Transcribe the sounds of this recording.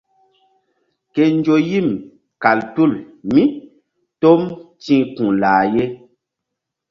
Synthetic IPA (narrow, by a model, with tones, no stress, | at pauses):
ke˨n˦d͡ʒo˨ji˦˨m | ka˨ltu˦˨lmĩ˦ | to˦mtĩ˦kũ˨laː˨je˦